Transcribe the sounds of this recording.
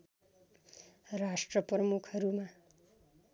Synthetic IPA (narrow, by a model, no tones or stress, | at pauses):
ɾaʂʈɾəpɾəmukʰəɾumã